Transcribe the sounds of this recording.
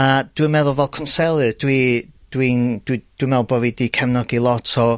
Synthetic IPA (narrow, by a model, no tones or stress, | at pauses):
ad̥wimɛðʊlˠvɛlˠkʰɔnsɛlˠɨd̥wid̥wind̥wid̥wimɛðʊlˠbɔvidikʰɛmnɔɡilˠɔtʰɔ